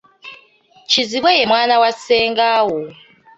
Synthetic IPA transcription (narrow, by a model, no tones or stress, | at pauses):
t͡ʃʰiziβwɛjɛmwanawasɛŋɡawɔ